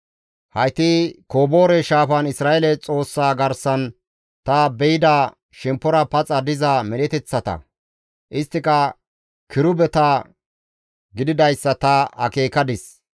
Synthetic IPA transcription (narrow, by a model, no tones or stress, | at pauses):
hɐjt̪ikoːbo̞ːɾɛʃaːfɐnɪsɾaːʔelɛt͡sʼo̞ːsːaːɡɐɾsɐn | t̪ɐbɛjɪd̪aː | ʃɛmpːɔɾɐpɐt͡sʼɐd̪ɪzɐmɛlɛt̪ɛt͡sːɐt̪ɐ̰ | ʔɪst̪ːɪkɐ | kɪɾʊbɛt̪a | ɡɪd̪ɪd̪ɐjsːɐt̪ɐhɐ̰keːkɐd̪ɪs